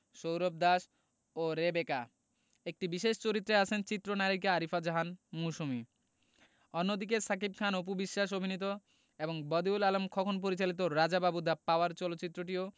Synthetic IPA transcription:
ʃowɾob̚d̪aʃ | oɾebeka | ek̚ʈibiʃeʃt͡ɕoɾit̪ːɾeat͡ɕʰent͡ɕit̪ːɾonaɾikeaɾifad͡ʑaɦanmusumi | onːod̪ik̬esakib̚kʰanop̬ubiʃːaʃ̬obʱinit̪̬o | eboŋbɔd̪iulalomkʰɔkʰonp̬oɾit͡ɕalit̪̬oɾad͡ʑababud̪apaoaɾt͡ɕɔlotːɕit̪ːɾoʈ̬io

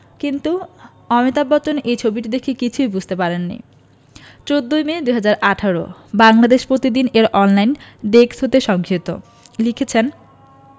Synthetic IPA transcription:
kint̪u | ɔmet̪abːɔt͡ɕonʔejt͡ɕʰobiʈid̪ekʰekit͡ɕʰujbud͡ʑʱt̪epaɾenːḭ | t͡ɕod̪ːojmed̪uɦad͡ʑaɾʔaʈʰaɾo̰baŋlad̪eʃpɾot̪id̪ineɾʔɔnlajnɖeksɦot̪eʃɔŋkʰiit̪o̰ | likʰet͡ɕʰen

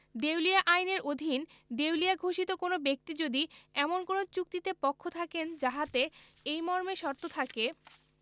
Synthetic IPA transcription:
d̪ewliaʔajneɾod̪ʱind̪ewliaɡʱoʃit̪okonobek̚t̪id͡ʑod̪iɛmonkonot͡ɕuk̚t̪it̪epɔkʰːot̪ʰakend͡ʑaɦat̪e | ejmɔɾmeʃɔɾt̪ot̪ʰake

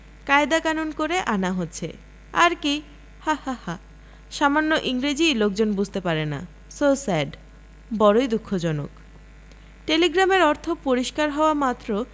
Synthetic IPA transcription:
kajd̪akanunkoɾeʔanaɦotːɕʰḛ | a̰ɾki | hahaha | ʃamanːoʔiŋɾed͡ʑijlok̚d͡ʑonbud͡ʑʱt̪epaɾena̰ | sosaɖ | bɔɾojd̪ukʰːod͡ʑɔno̰k | ʈeliɡɾameɾɔɾt̪ʰopoɾiʃkaɾɦɔoamat̪ːɾo

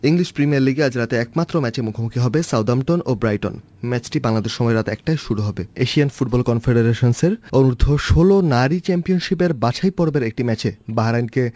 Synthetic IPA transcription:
iŋliʃpɾimiaɾliɡead͡ʑɾat̪eɛk̚mat̪ːɾomɛt͡ɕemukʰomukʰiɦɔbesawd̪amʈonobɾajʈo̰n | mɛt͡ɕʈibaŋlad̪eʃːɔmɔeɾat̪eɛk̚ʈajʃuɽuɦɔbeeʃianfuʈ̚bɔlkɔnfʰeɖeɾeʃonseɾonuɾud̪ʱːoʃolonaɾit͡ɕɛmpionʃipeɾbaʃʰajpɔɾbeɾek̚ʈimɛt͡ɕebaɦaɾajnke

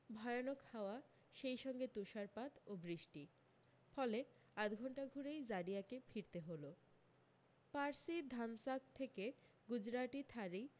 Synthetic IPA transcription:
bʱɔeonokhaoa | ʃejʃɔŋɡet̪uʃaɾpat̪obɾiʃʈi | fɔle | at̪ɡʱɔɳʈaɡʱuɾejd͡ʑaɽijakefiɾt̪eɦolo | paɾsid̪ʱamsak̚t̪ʰeke | ɡud͡ʑɾaʈit̪ʰaɾi

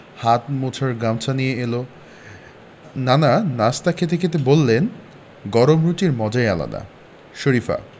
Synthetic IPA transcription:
hat̪mot͡ɕʰaɾɡɾamt͡ɕʰanijeelo | nananast̪akʰet̪̬ekʰet̪̬ebolːen | ɡɔɾomɾuʈiɾmɔd͡ʑaeala̰d̪a̰ | ʃoɾifa̰

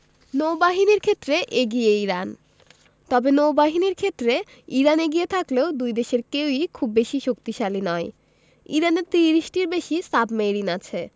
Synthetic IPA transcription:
nowbaɦiniɾkʰet̪ːɾeʔeɡijeiɾan | t̪ɔbenowbaɦiniɾkʰet̪ːɾe | iɾaneɡijet̪ʰakleod̪ujd̪eʃeɾkewikʰubːeʃiʃokt̪iʃalinɔe | ḭɾaneɾt̪ɾiɾiʃʈiɾbeʃisabmejɾinat͡ɕʰe

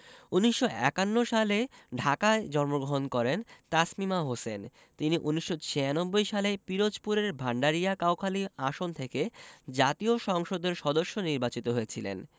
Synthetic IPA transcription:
uniʃːoʔɛ̰kanːoʃaleɖʱakaed͡ʑɔɾmoɡɾoɦonkɔɾent̪asmimaɦosen | t̪iniʔuniʃːot͡ɕʰeanobːojʃalepiɾod͡ʑpuɾeɾbʱaɳɖaɾiakawkʰaliaʃont̪ʰeked͡ʑat̪ioʃɔŋʃod̪eɾʃɔd̪oʃːoniɾbat͡ɕit̪oɦoet͡ɕʰilḛn

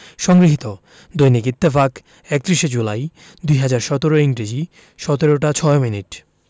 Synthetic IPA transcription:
ʃɔŋɡɾiɦit̪o | d̪ojnikit̪ːefak | ɛk̚t̪ɾiʃed͡ʑulaj | d̪ujɦad͡ʑaɾʃɔt̪oɾoiŋɡɾed͡ʑi | ʃɔt̪eɾoʈat͡ɕʰɔeminiʈ

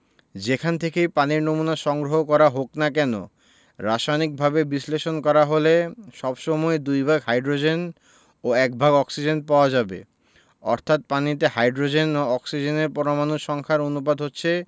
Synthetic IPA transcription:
d͡ʑekʰant̪ʰekejpaniɾnomunaʃɔŋɡɾoɦokɔɾaɦoknakɛno̰ | ɾaʃajnik̚bʱabebisleʃonkɔɾaɦoleʃɔbʃɔmɔed̪ujbʱaɡhajɖɾod͡ʑen | oɛk̚bʱaɡɔksid͡ʑenpaoad͡ʑabḛ | ɔɾt̪ʰat̪̚panit̪̬ehajɖɾod͡ʑenoɔksid͡ʑeneɾpɔɾomanuʃʃɔŋkʰaɾonupad̪ʱɦotːɕʰe

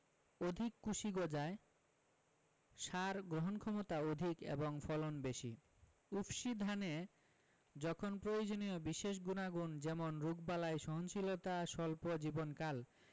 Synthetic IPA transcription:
od̪ʱikːuʃiɡod͡ʑae | ʃaɾɡɾoɦonkʰɔmot̪aod̪ʱikḛboŋfɔlonbeʃḭ | ufʃid̪ʱane | d͡ʑɔkʰonpɾojod͡ʑoniobiʃeʃ̬ɡunaɡund͡ʑɛmonɾuɡ̚balaeʃɔɦonʃilot̪aʃɔlpod͡ʑibonkal

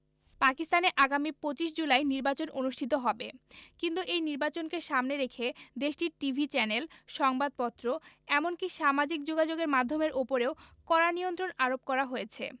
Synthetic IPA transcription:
pakist̪aneʔaɡamipot͡ɕiʃ̬d͡ʑulajniɾbat͡ɕononuʃʈʰit̪oɦɔbekint̪uʔejniɾbat͡ɕonkeʃamneɾekʰed̪eʃʈiɾʈibʱit͡ɕɛnelʃɔŋbad̪̚pɔt̪ːɾoɛmonkiʃamad͡ʑik̚d͡ʑoɡad͡ʑoɡeɾmad̪ʱːomeɾʔopoɾeokɔɾaniont̪ɾonaɾop̚kɔɾaɦojet͡ɕʰḛ

